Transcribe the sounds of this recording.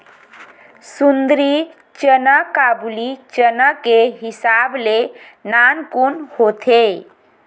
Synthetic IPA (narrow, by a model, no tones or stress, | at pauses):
sund̪ɾi | t͡ʃənəkabulit͡ʃənəkeɦɪsable | nankunhot̪ʰe